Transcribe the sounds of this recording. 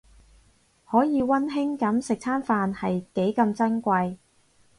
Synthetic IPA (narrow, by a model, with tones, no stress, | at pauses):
hɔː˨˥jiː˨˧wɐ˥nɦɪ˥ŋkɐ˨˥msɪ˨k̚t͡sʰaː˥nfaː˨nhɐ˨jke˨˥jkɐ˧mt͡sɐ˥nkʷɐ˧j